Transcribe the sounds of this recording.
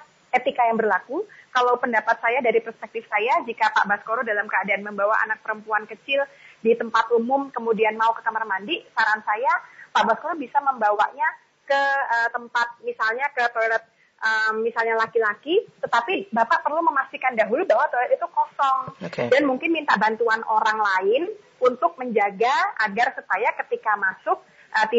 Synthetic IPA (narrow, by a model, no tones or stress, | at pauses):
et̪ikajaŋbərlakukalawpəndapat̪̚sajadaɾipərspɛk̚t̪ɪfsajad͡ʒikapa̰ʔbaskoɾodalamkəadaːnməmbawaʔa̰nak̚pəɾəmpuankət͡ʃɪldit̪əmpat̪umʊmkəmudianmaukəkamarmandiʔsaɾansajapaʔbaskoɾobisaməmbawa̰ʔɲa | kəət̪əmpat̪̚misalɲakət̪olɛt̪̚ | ʔəmːisalɲalakilakit̪ət̪apibapaʔpərluməmast̪ikandaɦulubawat̪ɔlɛt̪it̪ukosɔŋokdanmuŋkɪnmint̪aʔbant̪uanoɾaŋlaɪn | unt̪ʊk̚məɲd͡ʒaɡaaɡarsəpajakət̪ikamasʊk̚ | ʔət̪i